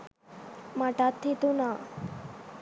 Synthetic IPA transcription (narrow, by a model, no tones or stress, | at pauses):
maʈat̪ʰːit̪una